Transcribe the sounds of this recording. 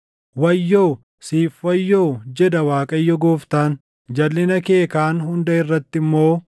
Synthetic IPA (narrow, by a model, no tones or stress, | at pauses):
wɐjːoː | siːfwɐjːoːd͡ʒɛd̪ɐwaːkʼɐjːɔɡoːft̪aːn | d͡ʒɐlːɪnɐke̞ːkaːnɦʊnd̪ɐɪrːɐt̪ːɪmːo̞ː